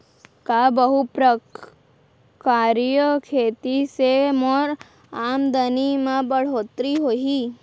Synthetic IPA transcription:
kabəɦupɾə | kaɾjəkʰeːt̪isemoɾ | amd̪ənimãbəɽ̤oːt̪ɾiɦoɦi

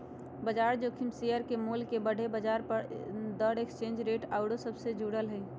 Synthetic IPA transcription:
bəd͡ʒaːɾd͡ʒoːkʰɪmsijəɾkemuːlkebəɽʱebəd͡ʒaːɾpəɾd̪əɽekst͡ʃẽːnd͡ʒɾeːʈaːʊɽosəbsed͡ʒuːɽəlɦɛi

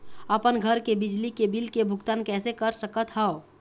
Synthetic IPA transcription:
əpənɡʱəɾkebɪd͡ʒlikebɪlkebʱʊɡt̪aːnkɛːsekəɾsəkət̪ɦɛo

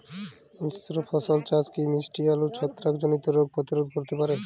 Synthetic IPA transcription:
issɾofʰɔsolt͡ɕaskimisʈialut͡ɕʰɔt̪ːɾakd͡ʑonit̪oɾoɡ̚pɾot̪iɾod̪̚koɾt̪epaɾe

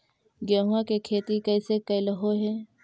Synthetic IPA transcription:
ɡaːwãkekʰeːt̪ikəːsekɐjləɦoɦɛː

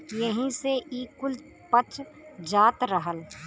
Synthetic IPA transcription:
jəɦĩseʔiːkʊl | pət͡ʃd͡ʒaːt̪ɾəɦəl

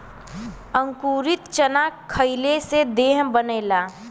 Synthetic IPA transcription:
ə̃ŋkuːɾɪt̪t͡ʃənaːkkʰːəɪlesed̪eːɦbəneːlaː

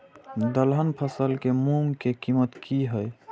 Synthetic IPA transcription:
d̪əlɦənpʰəsəlkemuŋkekimət̪kiɦəj

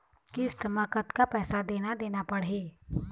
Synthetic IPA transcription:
kiɪst̪ʰəmakət̪kapɛːsad̪eːnad̪eːnapɐɽ̤eː

